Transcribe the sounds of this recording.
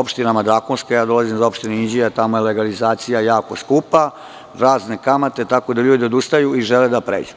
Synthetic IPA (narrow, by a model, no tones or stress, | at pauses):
opʃt̪inamad̪ɾaːkonskajaːd̪o̞lazimzo̞pʃt̪ineid͡ʑijat̪amo̞jele̞ɡalizaːt̪sijajaːko̞skupa | ɾaːzne̞kamat̪e̞t̪ako̞d̪aʎuːd̪io̞d̪ust̪ajuiʒeled̪apɾeːd͡ʑu